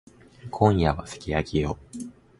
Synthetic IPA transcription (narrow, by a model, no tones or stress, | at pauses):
kʰõ̞ɰ̃jaβasɨ̥kʲijakʲio